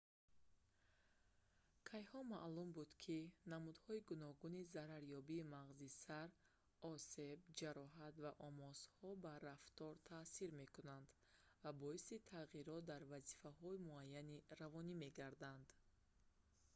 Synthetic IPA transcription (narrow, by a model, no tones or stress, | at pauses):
kʰajhɔmaʔlumbud̪kʰinamud̪hɔiɡunɔɡunizaɾaɾjɔbiːmaʁzisaɾ | ɔse̞bd͡ʒaɾɔɦat̪vaʔɔmɔz̥hɔbaɾaft̪ɔɾt̪ʰasiɾme̞kunand̪ | vabɔisit̪ʰaʁiɾɔt̪̚d̪aɾvazifaɦɔimuajːaniɾavɔnime̞ɡaɾd̪and̪